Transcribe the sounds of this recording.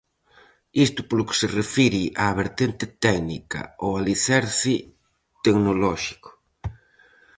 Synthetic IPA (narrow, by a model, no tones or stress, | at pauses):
ist̪ʊ̥polʊkɪ̥serefiɾiʔaːβeɾt̪ent̪ɪt̪ɛknḭka̰owaliθɛɾθi | t̪eknolɔʃi̥kʊ̥